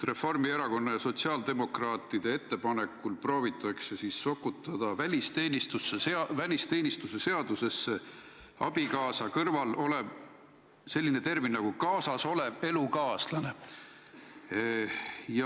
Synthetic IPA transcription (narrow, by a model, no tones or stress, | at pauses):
re̞fo̞rmieɾɑko̞nːɑjɑso̞tsiɑːld̪e̞mo̞krɑːt̪ːˑid̪̥e̞e̞t̪ːe̞pɑne̞kːulpro̞ːvit̪ːˑɑkse̞sisːo̞kːut̪ːˑɑd̪̥ɑvælʲist̪e̞ːnist̪usːeseɑvælʲist̪e̞ːnʲist̪use̞se̞ɑd̪̥use̞sːe | ɑ̰b̥ikɑːsɑkɤrvɑlo̞le̞ | se̞lʲːine̞t̪e̞rminnɑɡ̥ukɑːsɑso̞le̞ve̞lukɑːslɑne | jɑ